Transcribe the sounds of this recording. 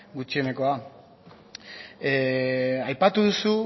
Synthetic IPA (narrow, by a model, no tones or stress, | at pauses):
ɡut͡ʃiene̞ko̞a | ajpat̪uðusu